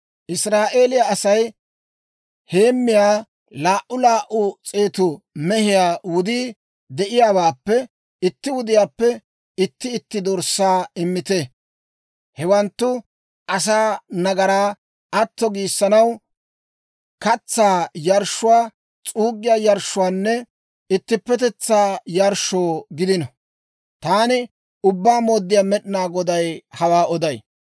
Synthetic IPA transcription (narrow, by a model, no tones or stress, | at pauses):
ʔɪsɾaːʔe̞ːlɪjaɐsɐj | he̞ːmːɪjaː | laːʔʊlaːʔʊt͡sʼe̞ːt̪ʊ | mɛhɪjaːwʊd̪iː | d̪ɛʔɪjaːbaːpːɛ | ɪt̪ːɪwʊd̪ɪjaːpːɛ | ɪt̪ːɪɪt̪ːɪd̪ɔɾsːaːɪmːɪt̪ɛ | hɛwɐnt̪ːʊ | ʔɐs̬aːnɐɡɐɾaː | ɐt̪ːɔɡiːsːɐnɐw | kɐt͡sːaːjɐɾʃːʊwaː | t͡sʼuːɡːɪjaːjɐɾʃːʊwaːnːɛ | ɪt̪ːɪpːɛt̪ɛt͡sːaːjɐɾʃoːɡɪd̪ɪnɐ | t̪aːnɪ | ʊbːaːmoːd̪ːɪjaːmɛɗɪnaːɡɔd̪ɐjhɐwaːɔd̪ɐj